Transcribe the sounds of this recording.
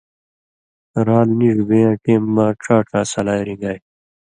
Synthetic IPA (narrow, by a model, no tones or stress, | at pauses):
ɾaːlniʐbejãːʈeːmːãːʈ͡ʂʰaːʈʰaːsɐlaːjɾĩŋɡaj